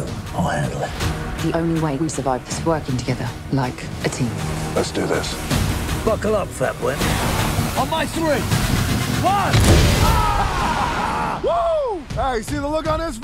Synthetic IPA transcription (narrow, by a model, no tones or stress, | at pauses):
ɔɛ̃dliðiʔə̃ʊ̃nliweɪwisəvaɪvðɪswɜˑkɪ̃ŋtʰəɡɛðə˞ | laɪk | ətʰĩːmlɛtsd̥ɨðɪ̰s | b̥ʌkəlˠʌpfætwɪ̃n | ə̃nmaɪsɹĩtfʌn | o | eɪsiðəlʊkn̩ɪs